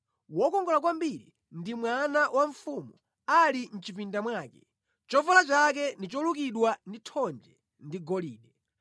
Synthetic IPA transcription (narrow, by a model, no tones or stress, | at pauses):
wɔkɔŋɡɔlak̬wambiɾḭ | ndimwanawaɱfumu | alin̩t͡ʃipindamwaːkɛ | t͡ʃɔvalat͡ʃakɛndit͡ʃɔlukiɗwanditʰɔnd͡ʒɛ | ndiɡɔliːɗɛ